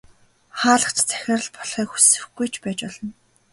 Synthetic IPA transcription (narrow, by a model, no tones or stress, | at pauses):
χaːɮə̆χt͡ɕt͡sʰæ̥xʲɪ̆rə̆ɮpɔɮχiːkxu̥sɘ̆xɡujt͡ɕʰpæːt͡ɕpɔɮɞ̆n